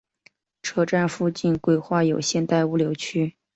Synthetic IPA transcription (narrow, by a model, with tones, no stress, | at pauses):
ʈ͡ʂʰɤ˥˧ʈ͡ʂa˥˧nfu˥˧t͡ɕi˥˧nkwe˥˧ɪxwa˥˩jo˨˩ʊɕjɛ˥˧nt̪a˥˧ɪu˥˩ljo˧˥ʊt͡ɕʰy˥